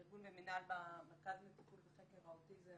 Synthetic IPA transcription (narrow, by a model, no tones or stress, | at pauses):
iɾɡunbeminalbamekazlet̪i̥pulbeχekevaot̪ize